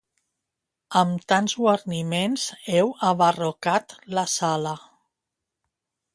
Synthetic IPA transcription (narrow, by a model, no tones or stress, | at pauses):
əmt̪anzɣwəɾnimenzɛwəβərokat̪ləsalə